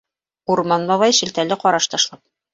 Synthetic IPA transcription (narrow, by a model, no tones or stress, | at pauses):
uɾmɑnlˠɑβɑjʃɘ̆lt̪ælːɘqɒɾɑʃt̪ɑʃlˠɑp̚